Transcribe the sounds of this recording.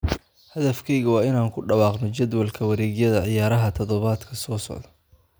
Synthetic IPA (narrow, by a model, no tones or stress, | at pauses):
hɐðɐfkʰɛjɣɐwɑːɪnaːŋkʰʊɖɑwɑːqnɔt͡ʃɐd̪wɐlkʰɐwɐɾɛːɣjɐðɐʕɪjaːɾɐɦɐt̪ʰɔðɔβaːd̪kʰɐsɔːsɔ̰ʕðɐ